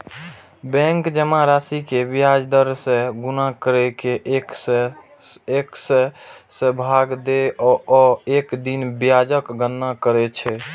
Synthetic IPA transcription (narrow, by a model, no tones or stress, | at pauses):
bɛ̃ŋkd͡ʒəmaɾasikebiad͡ʒd̪əɾsẽɡunakəɾɛkek | eksesẽbʱaɡd̪eɔɔekd̪inbijad͡ʒəkɡənːakəɾɛt͡ʃʰɛ